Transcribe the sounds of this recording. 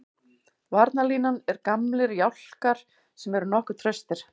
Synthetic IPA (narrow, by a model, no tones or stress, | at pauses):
vaɾt̪naliːnanɛɾkamlɪɾjawl̥kaɾ̥ | sɛmɛɾʏnɔhkʏt̪ʰɾœst̪ɪɾ̥